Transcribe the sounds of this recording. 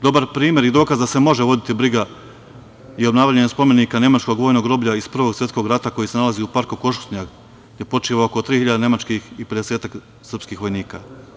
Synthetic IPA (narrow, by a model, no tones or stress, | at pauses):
d̪o̞baɾpɾiːmʲje̞ɾid̪o̞ːkazd̪ase̞mo̞ʒeʋo̞d̪it̪ibɾiɡa | io̞bnaːʋʎaɲespo̞me̞nikane̞mat͡ʃko̞ɡʋo̞ːjno̞ɡɾo̞ːbʎʲaispr̩ʋo̞ɡsje̞t̪sko̞ɡɾat̪ako̞jise̞nalaziupaɾkuko̞ʃu̥sɲaɡ | je̞po̞t͡ʃiʋaoko̞t̪ɾiːhiʎad̪ene̞mat͡ʃkixipe̞d̪eseːt̪ak | sr̩pskixʋo̞jniːka